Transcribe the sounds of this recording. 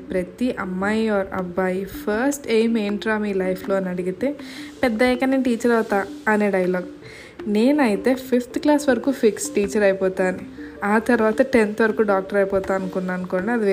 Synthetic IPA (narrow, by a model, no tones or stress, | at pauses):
pɾɐt̪iʔɐmːaːjaːɾɐ̰bːaːjpʰɐɾsʈeːmeːɳʈɾaːmiːlɐjpʰlo̞ːnɐɽiɡit̪e̞ːpɛd̪ːɐɛkːɐneːʈiːt͡ʃɐɾɐwt̪aːɐne̞ːɖɐjɐloːɡ | ne̞ːnɐjit̪e̞ːpʰipʰt̪klaːsʋɐɾɐkuːpʰiksʈiːt͡ʃɐɾɐjpɔːt̪aːnu | aːt̪ɐɾuʋaːt̪ɐʈent̪ʋɐɾɐkuːɖaːk̚ʈɐɾɐjipɔːt̪aːɐnkunːaɐnkoːnaɐd̪iʋ